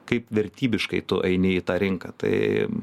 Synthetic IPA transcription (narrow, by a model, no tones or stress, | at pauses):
kɐɪpʋʲɛɾʲt̪ʲiːbʲɪʃkɐɪt̪ʊʔɐɪnʲɪit̪ɑːɾʲɪŋkɐt̪ɐ̰ɪ